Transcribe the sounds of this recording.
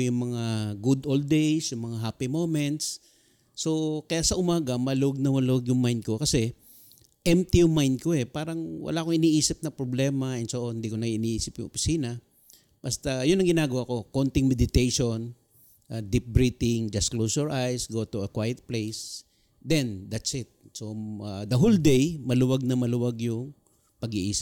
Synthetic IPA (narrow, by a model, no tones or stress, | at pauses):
jʊŋmɐŋaɡʊd̪ʔold̪̚ejsjʊŋmɐŋaɦaːpimomɛnt̪s | so̞kɐjaʔsɐʔʊmaːɡɐmɐloɡ̚nɐmɐloɡjʊŋmajnd̪̚ko̞kɐsɛ | ʔɛmt̪ɪjʊŋmajnd̪̚koɛpaːɾɐŋwɐ̰laːkoŋʔɪniːʔiːsɪp̚nɐpɾoblɛːmɐɛnsoʔonnd̪iːkonɐʔɪniːʔiːsɪpjʊ̰ŋʔopɪ̥siːnɐ | b̥ɐst̪ajʊnːɐŋɡɪnaːɡɐwako̞kont̪ɪŋmɛd̪ɪt̪ejʃon | ʔad̪ip̚bɹiːt̪ɪŋd͡ʒɐsklowsɛɹʔajsɡot̪uɐkwajɛt̪̚plejs | d̪ɛnd̪ɐt̪sɪt̪̚so̞ad̪ɐɦold̪ɛjmɐlʊwaɡ̚nɐmɐlʊwaɡjʊŋ | pɐɡɪʔḭːsɪ̥